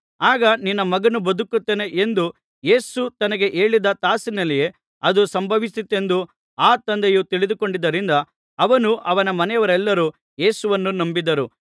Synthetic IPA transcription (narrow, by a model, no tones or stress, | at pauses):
aːɡɐninːɐmɐɡɐnubɐd̪ukːut̪ːeːne̞ʔend̪u | je̞ːsut̪ɐnɐɡe̞ʔe̞ːɭid̪ɐt̪aːsinɐlije | ɐd̪usɐmbʱɐʋisit̪ːe̞nd̪u | aːt̪ɐnd̪ejut̪iɭid̪uko̞ɳɖid̪ːɐɾind̪ɐː | ʋɐnuʔɐʋɐnɐmɐnɛjɐʋɐɾɛlːɐɾuː | je̞ːsuʋɐnːunɐmbid̪ɐɾu